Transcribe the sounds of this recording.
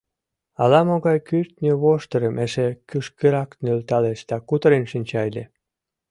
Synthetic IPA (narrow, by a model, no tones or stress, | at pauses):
ɑlɑmoɣɑjkyrt̪ʲnʲøβoʃt̪əɾəmʔeʃekyʃkeɾɑknølt̪ɑleʃd̪ɑkut̪əɾenʃinʲt͡ɕɑjle